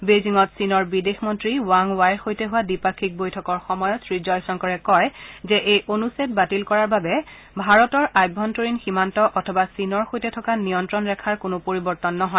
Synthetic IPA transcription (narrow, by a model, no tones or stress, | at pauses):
beziŋɔtsinɔɹbidexmɔntɹiwaŋwajɹxojtɛɦʊwadipakʰːik̚bojtʰɔkɔɹxɔmɔjɔtsɹizɔjsɔŋkɔɹɛkɔjzɛʔejʔonuset̚batilkɔɹaɹbabɛ | bʱaɹɔtɔɹʔajbʱɔntoɹinximantɔʔɔtʰɔbasinɔɹxojtɛtʰɔkaniɔntɹɔnɹɛkʰaɹkʊnʊpoɹibɔɹtɔnːɔɦɔj